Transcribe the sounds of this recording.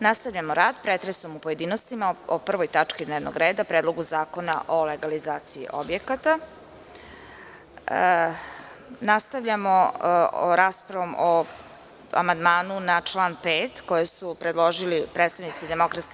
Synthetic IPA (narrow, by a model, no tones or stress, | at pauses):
nast̪aʋʎamoɾaːd̪pɾet̪ɾeso̞mupoje̞d̪iːnost̪imaopr̩ʋo̞jt̪at͡ʂkid̪neːʋno̰ɡɾeːd̪apɾed̪lˠo̞ɡuzaːko̞na̰ʔo̞leɡalizaːt̪siḭʔobjekat̪a | nast̪aʋʎamo | ɾaːspɾaʋomo | a̰mand̪maːnunat͡ʂlˠaːnpeːt̪ko̞jesupɾed̪lˠo̞ʒilipɾeːt̪st̪aʋnit̪sid̪e̞mo̞kɾat̪ske